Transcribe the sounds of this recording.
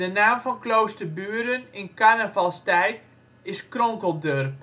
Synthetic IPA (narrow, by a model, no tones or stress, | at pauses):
dənaːmfɔnklowstərbyːəɾənɪnkarnəvɑlˠstɛjt | ɪskrɔŋkəlˠdørp